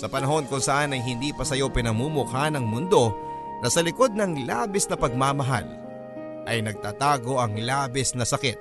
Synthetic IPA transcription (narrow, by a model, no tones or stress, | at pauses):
sɐpɐnɐɦo̞nkʊŋsɐʔanɐjɦɪnd̪iːpɐsɐjo̞pɪnɐmuːmʊkanɐŋmʊnd̪o̞ | nɐsɐlɪko̞d̪̚nɐŋla̰ːbɪsnɐpɐɡ̚maːmɐɦa̰l | ʔɐjnɐɡ̚t̪aːt̪aːɡo̞ʔɐŋlaːbɪsnɐsɐkɛt̪̚